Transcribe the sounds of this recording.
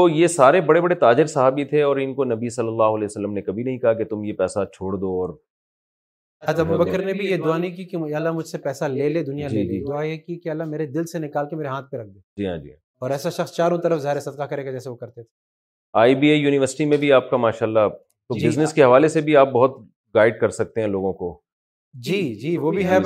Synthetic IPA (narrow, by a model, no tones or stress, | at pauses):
ojesaːɾebɐɽebɐɽet̪aːd͡ʒɪɾsɐɦaːbit̪ʰeɔːɾɪnkonɐbisɐlːəlːaːɦʊɐlɛːjsɐlːəmnekɐbʱinɐɦĩkɐɦaket̪ʊmjepɛːsat͡ʃʰoːɽd̪oɔːɾ | ad͡ʒɐbubɐkəɾnebʱijed̪ʊanikikilːamʊd͡ʒʱsepɛːsaleːleːd̪ʊnijad͡ʒid͡ʒid̪ʊajekikeɐlːameːɾed̪ɪlsenɪkaːlkemeːɾeɦãːt̪̚ʰpeɾɐk̚ʰd̪oːd͡ʒiːɦãːd͡ʒḭ̃ː | ɔːɾɛːsaʃɐxst͡ʃaːɾõt̪ɐɾəfzaɦɾesɐd̪̚qakɐɾeːɡad͡ʒɛːseʋokɐɾt̪et̪ʰe | aːibiːeːjuːnɪʋəɾsɪʈimẽbʱiaːp̚kamaːʃaːlːa | t̪obɪznɪskeɦɐʋaːlesebʱiaːp̚bɐɦʊt̪ | ɡaːɪɖ̚kɐɾsɐk̚t̪eɦɛ̃loːɡõko | d͡ʒiːd͡ʒiːʋobʱiɦɛ